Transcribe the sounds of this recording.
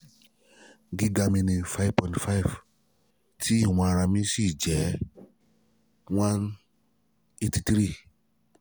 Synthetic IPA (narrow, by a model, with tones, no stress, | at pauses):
ɡi˦ɡa˧mĩ˧nĩ˧fa˦i˨vpɔ̃˧˨tfa˦i˨v | tʰi˦i˦˨w̃ɔ̃˧a˧ɾ̃ã˧mĩ˧si˦˨d͡ʒɛ˨˦ | wã˦n | e˦ti˧tɾi˦